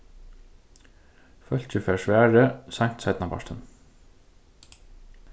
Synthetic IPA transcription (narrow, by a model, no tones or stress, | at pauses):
fœl̥t͡ɕɪfɛːsʋæːɹɪsajm̥t̪sajt̪napa̰ʂt̪ɪn